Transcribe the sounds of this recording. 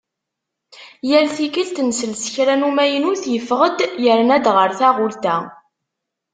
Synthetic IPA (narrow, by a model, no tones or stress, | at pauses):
jəɾθikilt̪nsəlsə̥çɾænumæjənuθjəfʁəd̪jəɾnæd̪ʁəɾθæʁʊlt̪æ